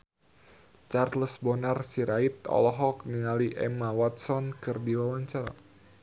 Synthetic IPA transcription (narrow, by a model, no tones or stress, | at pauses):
t͡ʃarləsbɔnarsiɾait̪̚ɔ̰lɔɦɔk̚niŋaliʔɛ̰mawat̪̚sɔnkɨrdiwawaɲt͡ʃaɾa̰